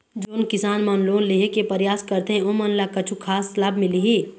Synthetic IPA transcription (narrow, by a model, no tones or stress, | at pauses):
d͡ʒoːnkɪsaːnmanloːnliɦekepəɾjaːskəɾt̪eɦẽomənlakət͡ʃʰukʰaːslaːbʱmɪliɦi